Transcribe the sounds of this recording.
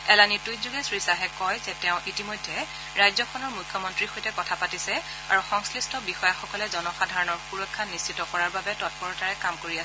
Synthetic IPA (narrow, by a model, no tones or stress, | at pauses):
ɛlanitujzuɡɛsɹisaɦɛkɔjzɛtɛʊ̃ʔitimojdʱːɛ | ɹajzɔkʰɔnɔɹmukʰːjɔmɔntɹixojtɛkɔtʰapatisɛ | a̰ɹuxɔŋslistɔbixɔjaxɔkɔlɛzɔnɔxadʱaɹɔnɔɹxuɹɔkʰːanist͡ʃitɔkɔɹaɹbabɛtɔt̚pɔɹɔtaɹɛkamkoɹiasɛ